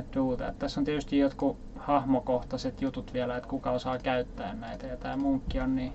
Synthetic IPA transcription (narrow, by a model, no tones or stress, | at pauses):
t̪uːt̪ɑ̰ḛt̪t̪æsːont̪iet̪yst̪ijjot̪ku | hɑhmokoht̪ɑset̪jut̪ut̪ʋiælæet̪kukɑosɑːkæyt̪ːæ̰ːnnæit̪æjɑt̪æːmuŋkːionni